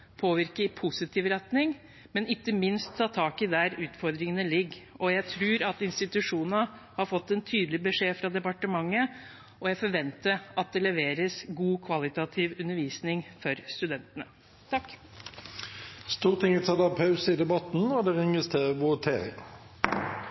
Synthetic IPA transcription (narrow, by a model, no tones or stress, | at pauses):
pʰoːʋɪɾkəpʰʊsɪt̪ʰiːʋɾɛt̪nɪŋ | mɛnɪkːəmɪnst̪ʰːɑːt̪ʰɑːkɪd̪æɾʉːt̪fɔɾd̪ɾɪŋənəlɪɡːɔjæɪt̪ʰɾʉːɾɑt̪ɪnst̪ɪt̪ʉʂuːnnəhɑɾfɔt̪ːɛnt̪ʰyːd̪lɪbəʂeːfɾɑd̪ɛpɑʈəmɑŋːə | ɔjæɪfɔɾʋɛnt̪əɾʔɑt̪̚d̪ɛlɛʋeːɾəsɡuːkʰʋɑlɪt̪ɑt̪ʰiːʋʉnəɾʋiːsnɪŋfɔɾst̪ʉd̪ɛnt̪ənə | t̪ʰɑkː | st̪uːʁt̪ɪŋɪt̪ʰɑd̪ɑpʰɑʉsəɪd̪ɛbɑt̪n̩ɔd̪ɛʁɪŋəst̪ʰeːəʋʊt̪ʰḛːɾɪ̰ŋ